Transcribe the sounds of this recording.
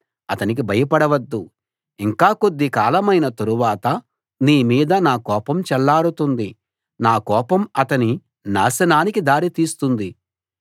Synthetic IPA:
ɐt̪ɐnik̬ibʱɐjɐpɐɽɐʋɐd̪ːu | iŋkaːkod̪ːikaːlɐmɐjnɐt̪ɐɾuʋaːt̪ɐ | niːmiːd̪ɐnaːkɔːpɐmt͡ʃɛlːaːɾut̪und̪i | naːkɔːpɐmɐt̪ɐni | na̰ːsɐnaːnikid̪aːɾit̪iːst̪und̪i

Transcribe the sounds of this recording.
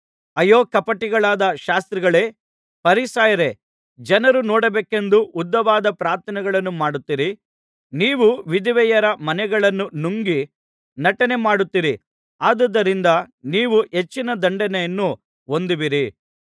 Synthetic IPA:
ɐjoːkɐpɐʈiɡɐɭaːd̪ɐʃaːst̪ɾiɡɐɭe̞ː | pɐɾisaːjɐɾe̞ | d͡ʒɐnɐɾunɔːɽɐbeːke̞nd̪uʔud̪ːɐʋaːd̪ɐpɾaːɾt̪ʰɐnɛɡɐɭɐnːumaːɽut̪ːiɾi | niːʋuʋid̪iʋɛjɐɾɐmɐnɛɡɐɭɐnːunuŋɡi | nɐʈɐnemaːɽut̪ːiɾi | aːd̪ɐd̪ːɐɾind̪ɐniːʋuɦet͡ʃːinɐd̪ɐɳɖɐnɛjɐnːu | o̞nd̪iʋiɾi

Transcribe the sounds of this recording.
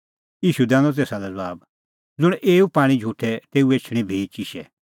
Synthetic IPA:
iːʃud̪ɛ̃ːnɔt̪̬eːsalɛd͡zɐaːb | d͡zʊɽ̃ʔeːupaːɽ̃ĩd͡ʒʱuːʈʰɛt̪eːueːt͡ʃʰɽ̃ĩbʱeːt͡ʃiʃɛ

